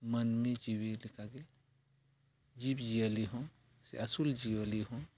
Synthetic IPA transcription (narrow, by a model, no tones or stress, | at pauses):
mənmẽd͡ʒiwelikʰaɡe | d͡ʒibd͡ʒiəliɦõ | sḛʔɐsuld͡ʒiəliɦõ